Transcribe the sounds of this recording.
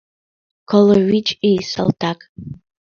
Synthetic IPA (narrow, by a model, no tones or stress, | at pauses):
kʰoloɥit͡ʃʼisa̰lˠtʰakʼ